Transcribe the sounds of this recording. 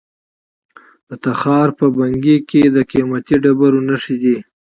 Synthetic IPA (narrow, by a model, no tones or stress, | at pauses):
d̪̥ət̪axɑːɾpəbaŋɡeked̪əqimat̪iɖabaɾonaʂid̪i